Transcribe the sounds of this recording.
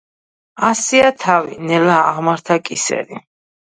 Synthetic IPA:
asiat̪ʰavḭnɛlaːʁmaɾt̪ʰakʼisɛ̰ɾi

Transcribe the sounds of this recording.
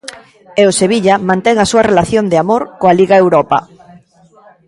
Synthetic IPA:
eʊseβ̞iʎɐmãnt̪ɛŋɐsuɐrelaθjond̪ɪamoɾkoaliɣaewɾɔpɐ̰

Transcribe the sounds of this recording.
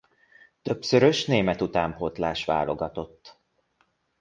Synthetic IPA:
t̪ø̞psøɾøʃneːmɛt̪ut̪aːmpot̪laːʃʋa̰ːlo̞̰ɡɒt̪o̞t̪ː

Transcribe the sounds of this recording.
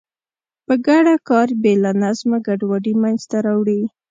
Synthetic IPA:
pəɡaɽakɑɾbelanazmaɡaɖwaɖimajnzt̪aɾawɽi

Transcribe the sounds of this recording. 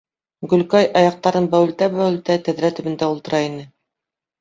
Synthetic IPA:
ɡɵ̆lkɑjʔɑjɑq̚t̪ɑɾɤnbæwɘ̆lt̪æbæwɘ̆lt̪æt̪æðɾæt̪ɵ̆βɘ̆nd̪æulˠt̪ɤ̆ɾʔɑinɘ

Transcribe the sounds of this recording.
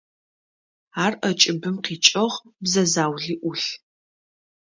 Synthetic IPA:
aːrʔɐt͡ʃʼɪbɨmqiːt͡ʃʼɐʁbzɐzaːwɮiːʔʊɬ

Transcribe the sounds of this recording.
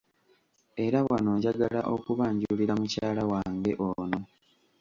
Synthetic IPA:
e̞ɾawano̞ːɲɟaɡalaʔo̞kuβaːɲɟuuliɾamucaːlawaːŋɡe̞ʔono̞

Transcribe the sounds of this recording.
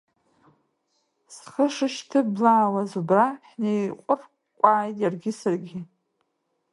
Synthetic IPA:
sχəʂɨʃtʰɨblaːwazubraħnejqʷʼʊr | kʷʼaːjtʼjarɡʲɪsɨrɡʲɪ

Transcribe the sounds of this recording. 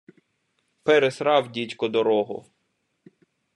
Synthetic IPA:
pɛɾesɾɑwdʲitʲkɔd̪ɔɾɔɦʊ̰

